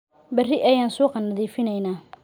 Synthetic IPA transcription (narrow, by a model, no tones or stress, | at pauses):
bɐrɪʔɐjaːnsuːqɑnɐðiːfɪnɛjnaː